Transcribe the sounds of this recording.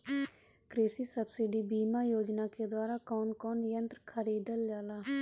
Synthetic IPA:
kɾeːsiːsəbsɪɖiːbiːmaːjoːd͡ʒnaːked̪waːɾaːkɔːnkɔːnjənt̪ɾkʰəɾiːd̪əld͡ʒaːlaː

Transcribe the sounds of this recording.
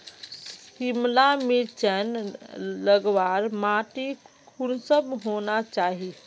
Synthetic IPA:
himlamit͡ʃənləɡʋaɾmaʈikʰunsəbɦonat͡ʃaɦi

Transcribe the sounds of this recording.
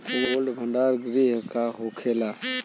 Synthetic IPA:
ʊnəlɖbʱəɳɖaːɾɡɾiːɦkaːɦoːkʰeːlaː

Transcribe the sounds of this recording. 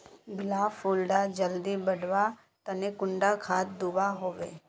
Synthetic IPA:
bɪlaːfuːlɖad͡ʒəld̪ibəɽʋa | t̪ənekʊ̃ɳɖakʰaːt̪̚d̪ʊbaɦoːʋḛː

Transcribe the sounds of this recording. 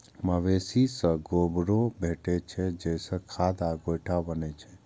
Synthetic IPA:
məʋesisə̃ɡobɾobʱeʈet͡ʃʰed͡ʒejsə̃kʰad̪aɡojʈʰabənet͡ʃʰe

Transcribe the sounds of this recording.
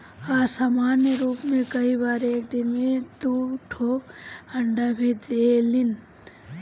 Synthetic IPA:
aːsaːmaːnjəɾuːpmẽkɐibaːɾeːk̚d̪ɪnmẽd̪uʈʰoːɐ̃ɳɖabʱid̪elɪn

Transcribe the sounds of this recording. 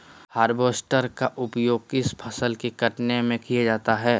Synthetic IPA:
haːɾboːsʈəɾkaʔʊpjoːɡ̚kɪspʰɐsəlkiɡɐʈnemẽkijad͡ʒaːt̪aɦɛː

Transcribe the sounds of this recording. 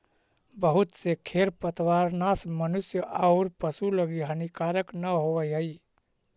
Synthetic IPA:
bəɦut̪sekʰeɾpət̪waɾnasmənusjəʔaʊɾpəsuləɡiɦənikaɾəknəɦowəjɦəi

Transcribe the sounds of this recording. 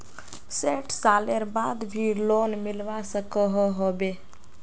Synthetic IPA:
seʈʰsaleɾbad̪bʱilonmilʋasəkəɦɔɦobe

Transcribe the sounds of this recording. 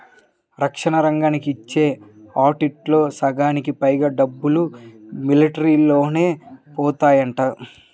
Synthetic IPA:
ɾɐkʂɐɳɐɾɐŋɡaːnikiːt͡ʃːe̞ː | aːʈiʈlo̞ːsɐɡaːnikipɐjɡaːɖɐbːulumiliʈɐɾiloːne̞ːpɔːt̪aːjɐɳʈaːu

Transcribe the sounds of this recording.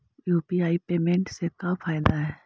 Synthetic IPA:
juːpiaːipeːmẽːɳʈsekaːpʰaːjd̪aɦɛː

